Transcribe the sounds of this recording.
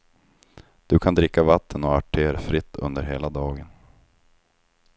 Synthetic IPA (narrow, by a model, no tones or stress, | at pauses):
d̪̥ɵkʰand̪ɾɪkːavat̪ʰːənɔaʈʰeːɾfɾɪt̪ʰːɵ̰nd̪əɾɦeːlad̪ɑːɡən